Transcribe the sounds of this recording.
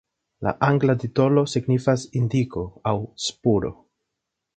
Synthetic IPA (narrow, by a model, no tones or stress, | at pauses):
la̰ʔaŋɡlatito̞lo̞siɡnifasindiko̞awspuɾo̞̰